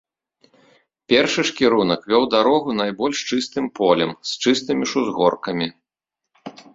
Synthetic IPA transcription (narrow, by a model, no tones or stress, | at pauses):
pʲɛrʂɨʂkʲiɾunɐkvʲɔwd̪aɾɔɣunajbɔlʲʂt͡ʂɨst̪ɨmpʰɔlʲɛmst͡ʂɨst̪ɨmʲiʂuzɣɔrkɐmʲi